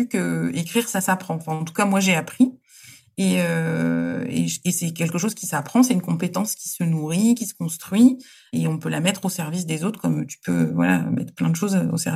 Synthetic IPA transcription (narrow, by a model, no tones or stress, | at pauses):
ykəekχiʁsasapχɑ̃ɑ̃fɛ̃ɑ̃t̪u̥kamwaʒeapχi | eø | ḛesɛkʲɛlkəʃ̬ozkʲisapχɑ̃sɛynkɔ̃pet̪ɑ̃skʲi̥sənuʁikʲisə̥kɔ̃st̪χɥi | eɔ̃pølamɛt̪χosɛʁvis̬d̪ezot̪χkɔmt̪y̥pøvwa̰la̰mɛ̰t̪χəplɛ̃d̪əʃozo̰sɛʁi